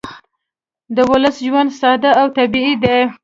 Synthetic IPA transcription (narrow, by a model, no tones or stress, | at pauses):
d̪əwʊləsʒwand̪sɑd̪aawt̪abiid̪e